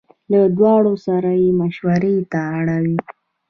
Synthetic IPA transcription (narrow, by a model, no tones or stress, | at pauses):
lad̪wɑɽosaɾajemaʃwaɾet̪aːɽawi